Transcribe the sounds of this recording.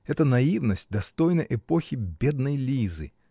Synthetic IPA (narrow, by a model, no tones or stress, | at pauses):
ɛt̪ənɐivnəsʲtʲd̪ɐst̪o̞jnəjʔɛpoxʲɪbʲe̞d̪nəjlʲizɨ̰